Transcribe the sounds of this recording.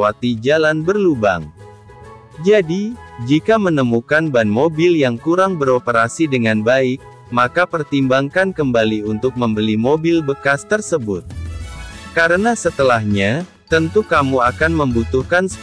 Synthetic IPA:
wat̪id͡ʒalanbərluba̰ŋ | d͡ʒadid͡ʒikamənəmukanbanmobɪljaŋkuɾaŋbəɾopəɾasidəŋanbaɪk̚ | makapərt̪imbaŋkankəmbaliunt̪ʊk̚məmbəlimobɪlbəkast̪ərsəbʊt̪̚ | kaɾənasət̪əlahɲa | t̪ənt̪ukamuakanməmbut̪uhkansə

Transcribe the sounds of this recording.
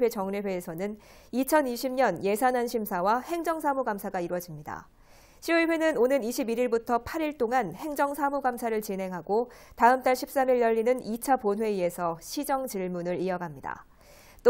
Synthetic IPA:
ɸwe̞t͡ɕʌŋnewe̞ːsʰʌnɯn | it͡ɕʰʌniɕʰimɲʌnje̞sʰanɦanɕʰimsʰawahe̞ŋd͡ʑʌŋsʰamuɡamsʰaɡaiɾwʌd͡ʑimɲida̰ | ɕʰiuɭɸwe̞nɯnonɯniɕʰibiɾiɭbutʰʌpʰaɾiɭt͈oŋanhe̞ŋd͡ʑʌŋsʰamuɡamsʰaɾɯɭt͡ɕinɦe̞ŋɦaɡotaɯmt͈aɭɕʰip̚s͈amiɭjʌʎːinɯnit͡ɕʰaponwe̞ie̞sʰʌɕʰid͡ʑʌŋt͡ɕiɭmunɯɾiʌɡamɲida̰ | t͈

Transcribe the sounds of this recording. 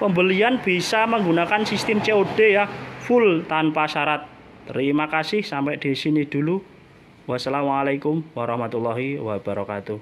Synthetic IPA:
pəmbəlianb̥i̤saməŋɡunakansist̪ɪmt͡ʃeoɖ̥e̤jafʊlt̪anpasaɾat̪̚ː | əɾimakasɪhsampɛʔɖ̪̥i̤sinɪhd̪̥ulu | wasalamalakʊmwaɾɑhmat̪ulːaɦiwab̥a̤ɾɔkat̪uh

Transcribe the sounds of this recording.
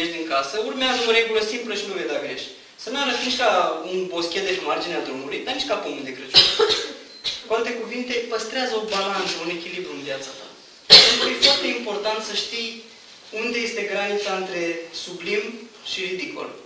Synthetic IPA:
eʃd̪iŋkasəurmeazəoɾe̞ɡuləsimpləʃinuvejd̪aɡɾe̞ʃʲ | sənuaɾəfiniʃʲkaunbo̞skʲet̪d̪eʃmard͡ʒinead̪ɾumulujd̪aniʃʲkapumud̪ekɾət͡ʃuɾ | kualt̪e̞kuvint̪e̞pəst̪ɾeazəo̞balant̪səune̞kʲilibɾuɨnvjat̪sat̪a̰ | pent̪ɾujefoart̪e̞impo̞rt̪ant̪səʃt̪ij | und̪e̞je̞st̪e̞ɡɾanit̪saɨnt̪ɾe̞sublim | ʃiɾid̪iko̰l

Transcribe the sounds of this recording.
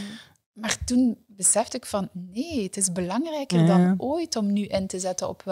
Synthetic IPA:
maːrtun | bəsɛftɪkfɑnneːətɪzbəlɑŋrɛjkərdɑnʔoːjtɔmnyʔɪntəzɛtənɔ̰p

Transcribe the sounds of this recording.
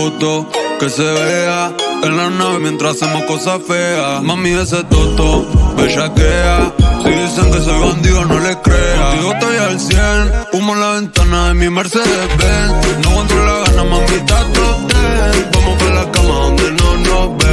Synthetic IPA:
ot̪okeseβeaenlanaβemjẽnt̪ɾasemokosafeamamĩes̬et̪ot̪obeʃakeasiðiseŋkes̬eβiand̪ianolekɾeaiot̪ojalsjenumolaβent̪anaðemimeɾseðebenokont̪ɾolaɣanamamit̪at̪ot̪ekomofelakamaðond̪enonobe

